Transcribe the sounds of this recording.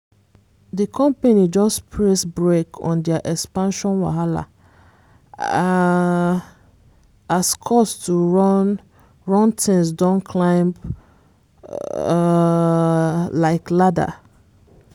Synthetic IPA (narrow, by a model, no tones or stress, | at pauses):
dəkʰɔ̃mpanid͡ʒɔspʰɹesbɹekʰɔ̰̃ndɛaʔɛkspãnʃɔ̃nwa̰ɦala̰ | askʰɔstʰu | ɹɔ̃ntʰɛ̃ŋsdãnkʰlãɪ̃mp | laɪklada̰